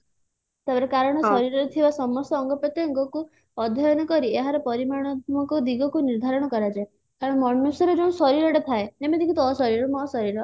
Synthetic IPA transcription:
t̪ebɾekaɾɔɽ̃ɔssɔɾiɾɔɾet̪ʰibasɔmɔst̪ɔːŋɡɔpɔt̪eɔŋɡɔku | ɔd̪ʱjɔjɔnɔkɔɾieɦaɾepɔɾimaɽ̃ɔd̪ʱmɔŋkɔd̪iɡɔkuniɾd̪ʱaɾɔɽ̃ɔkɔɾad͡ʒae | kaɾɔɽ̃ɔmɔnːusɔɾed͡ʒeũsɔɾiɾɔɽet̪ʰaenemed̪ikʰut̪ɔɦsɔɾiɾɔmɔɦsɔɾiɾɔ

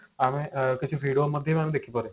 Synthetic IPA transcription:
aːmẽkɪt͡ʃʰuʋiːɽioməd̪ʱjemaːmẽd̪eːkʰipɔɾe

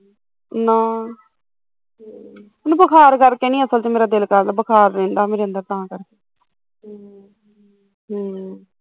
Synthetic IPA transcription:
naː | nũbəkʰaːɾkəɾkeːnĩːəsəlt͡ʃemeːɾaːd̪ɪlkəɾnaːbəkʰaːɾːẽːnd̪aːmeːɾeə̃nd̪əɾt̪aãːkəɾkeː | ɦ

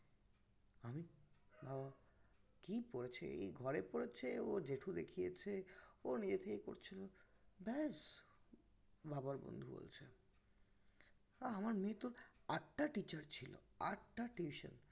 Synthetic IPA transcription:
amibaba | kipoɾet͡ɕʰḛḛjɡʱɔɾepoɾet͡ɕʰeod͡ʑeʈʰud̪ekʰijet͡ɕʰeonid͡ʑet̪ʰekeko̰ɾt͡ɕʰilobɛs | babaɾbo̰nd̪ʱubo̰lt͡ɕʰe | aamaɾmet̪oɾaʈːaʈit͡ɕaɾt͡ɕʰilo̰a̰ʈːaʈiiʃo̰n

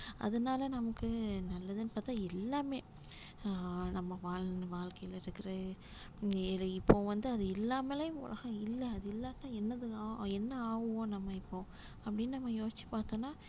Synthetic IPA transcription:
ʔɐ̰ðɐnaːlɐnɐmɐkːɯnɐlːɐðɯnɯpaːɾt̪ãːɪlːaːmeː | nɐmːɐʋaːlnʋaːlkɐjɪlɪɾɯkːɯɪɾɐðɯ | lɐɪpːoːʋɐnd̪ɯɐðɯɪlːaːmɐlɐjʊmʊ̰lʔɐ̰ɣɐ̃ɪlːɛɐðɯɪlːaːt̪ːãːɛnːɐðɯaːɛnːɐaːʋɯʋõːnɐmːɐɪpːõː | ɐpːɐɽɪnːnɐmːɐjoːsɪt͡ʃːi̥paːɾt̪õːnaː

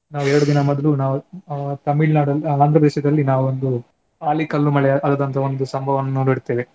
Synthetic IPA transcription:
naːʋuɛɾɐɽud̪inɐmɔd̪ɐlunaːʋut̪ɐmiɭnaːɽɐlaːnd̪ɾɐpɾɐd̪eːʃɐd̪ɐlːinaːʋuond̪u | aːlikɐlːumɐɭeɐd̪ɐːd̪ɐnt̪ʰɐond̪usɐmbʱɐʋɐnːunoɽt̪eːʋe

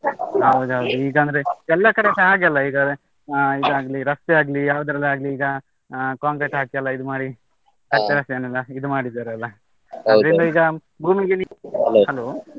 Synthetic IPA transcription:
ɦɐwd̪uɦɐwd̪uiːɡɐːnd̪ɐɾeɛlːɐkɐɽesɐaːɡɐlːɐiːɡad̪e | id̪uaːɡliɾɐst̪ɛaːɡlijaːʋud̪ɐɾɐlːiaːɡliːɡɐ | kaːŋɡɾesɦaːkijɐlːɐid̪umaːɽi | kɐseɐɾɐst̪eːnɐlːɐid̪umaːɽid̪aːɾeɐlːɐ | ɐd̪ɐɾind̪ɐiːɡɐ | bʱuːmiɡinihɐloː

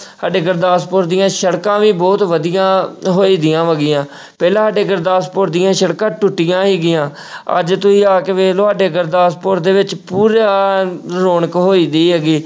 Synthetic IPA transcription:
saːɖeːɡəɾd̪aːspoːɾd̪ɪjãːʃəɽkãːʋiːbɔːt̪ʋəd̪ɪjãːɦoːiːd̪ɪjãːʋəɡɪjãː | pɛːlãːsaːɖeːɡəɾd̪aːspoːɾd̪ɪjãːʃəɽkãːʈʊʈːɪjãːɦeːɡɪjãː | ə̰d͡ʒt̪ʊsĩːaːkeːʋeːloːɦaːɖeːɡəɾd̪aːspoːɾd̪eːʋɪt͡ʃpuːɾaːɾoːnəkɦoːiːd̪iːɦɛːɡiː

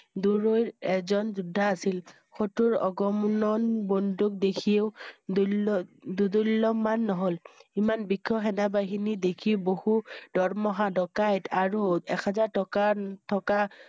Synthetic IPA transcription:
duɹojɛzɔnzudʱːaːsil | xotuɹɔ̰ɡɔmnɔnbɔnduk̚dekʰieʊ | dudulːɔmanːɔɦolimanbikʰːɔxɛnabaɦinidekʰibohud̥ɔɹmɔɦadɔkajtʰaɹuɛ̰kʰazaɹtɔkatʰɔka

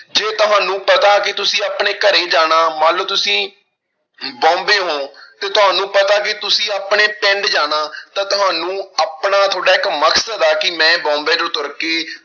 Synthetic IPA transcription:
d͡ʒeːt̪ʊɦãːnũːpət̪aːkɪt̪ʊsĩːaːpɳeːkəɾeːd͡ʒaːɽ̃aːmaːləʋt̪ʊsĩː | bɔ̃ːmbeːɦõːt̪eːt̪ʊɦaːnũːpət̪aːkɪt̪ʊsĩːaːpɳeːpɛ̃ɳɖd͡ʒaːnaːt̪ãːt̪ʊɦãːnũːaːpɳaːt̪ʰoːɽaːɪkməksəd̪aːkɪmɛ̃ːbɔ̃ːmbeːd̪ɾot̪ʊɾəkeː

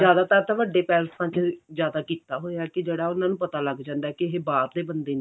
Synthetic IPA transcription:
zjaːd̪aːt̪aːɾt̪aːʋəɖeːpɛːlsãːt͡ʃzjaːd̪aːkiːt̪aːɦoːeɛːkɪd͡ʒeːɽaːʊnãːnũːpət̪aːləɡd͡ʒãːnd̪aɛːkɪɦeːbaːɾd̪eːbənd̪eːnː

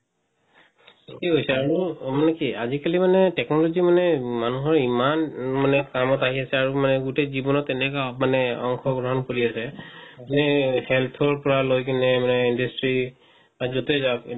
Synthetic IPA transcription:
kiɡojsɛaɹumanɛkiazikalimanɛtɛknɔlɔzimanɛmanuɦɔɹimanmanɛkamɔtaɦiasɛaɹumanɛɡutezibɔnɔtɛnɛkamanɛɔŋxʰɔɡɹɔɦɔnkoɹiasɛmanɛhɛlt̪ʰɔɹpɔɹalojkinɛmanɛindastɹi | azotezab

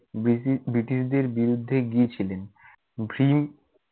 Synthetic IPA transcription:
bɾiʈiʃd̪eɾbiɾud̪ʱːeɡijet͡ɕʰilen | bʱɾim

